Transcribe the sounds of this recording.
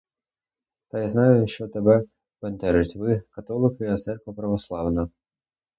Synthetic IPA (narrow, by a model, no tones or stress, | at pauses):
t̪ɑjznɑjʊjʃt͡ʃɔt̪ɛbɛ | bɛnt̪ɛɾɪtʲʋɪkɐt̪ɔlˠɪkjɐt̪sɛrkɔpɾɐʋɔslˠɑwnɐ